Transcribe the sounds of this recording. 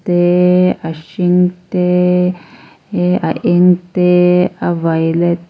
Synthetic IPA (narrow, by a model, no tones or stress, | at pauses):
teaʃiŋte | aʔeŋt̪eavalet